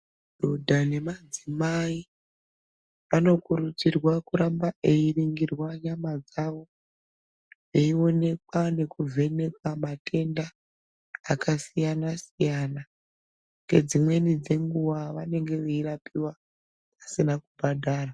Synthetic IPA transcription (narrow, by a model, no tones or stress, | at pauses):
dʱodʱane̞mad͡zimai | ʋano̞kuɾut͡sirwakuɾambaʔe̞iriŋɡirwaɲamad͡zaʋo̞ | eio̞ne̞kwane̞kuvʱe̞ne̞kwamatʰe̞ndaː | kasijanasijana | ŋɡe̞d͡zimwe̞nid͡ze̞ŋɡuʋaʋane̞ŋɡe̞ʋeiɾapʰiwa | pasinakubʱadʱaːra